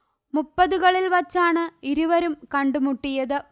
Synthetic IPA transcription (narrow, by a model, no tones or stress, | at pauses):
mupːɐðuɣɐɭilʋɐt͡ɕːaːɳɨiɾuʋɐɾumkɐɳɖumuʈːijɐðɨ